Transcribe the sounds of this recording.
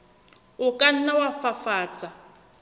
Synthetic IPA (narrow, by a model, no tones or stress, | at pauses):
ʊkʼan̩nawafafaːt͡sʼa